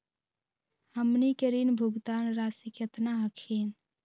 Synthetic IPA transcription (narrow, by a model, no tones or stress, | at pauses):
həmnikəɾinbʱuɡd̪aːnɾaːsikjət̪naɦəkʰiːn